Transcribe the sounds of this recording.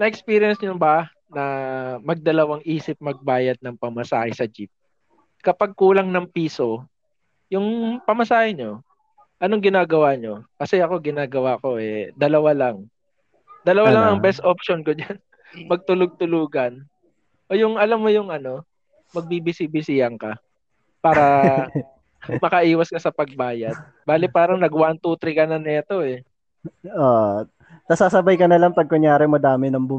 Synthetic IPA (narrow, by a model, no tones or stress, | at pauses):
nɐʔɛkspiːɾɪjɐnsɲobɐ | nɐmɐɡ̚d̪ɐlɐwaŋʔiːsɪp̚mɐɡ̚baːjɐd̪̚nɐŋpɐmɐsaːhɪsɐd͡ʒip̚ | kɐpaɡ̚kuːlɐŋnɐŋpiːso̞ | jʊŋpɐmɐsaːhɪɲo̞ | ʔɐno̞ŋɡɪnaːɡɐwaɲo̞kɐsɛɐko̞ɡɪnaːɡɐwako̞ʔɛd̪ɐlɐwalɐŋ | d̪ɐlɐwalaŋɐŋbɛst̪ʔopʃonkod͡ʒan | mɐɡ̚t̪ʊlʊɡ̚t̪ʊluːɡɐn | ʔoːjʊŋʔɐlamːojʊŋɐno̞ | mɐɡ̚bibɪsibɪsɪjɐŋkɐ | paːɾɐ | mɐkɐʔiːwɐskɐsɐpɐɡ̚baːjɐd̪̚ | baːlɪpaːɾɐŋnɐɡwant̪ut̪ɾɪkɐnɐnɛːt̪o̞ɛ | o | nɐsaːsɐbajkɐnɐlaŋpɐɡ̚koɲjaːɾɛmɐd̪aːmɪnɐmbʊ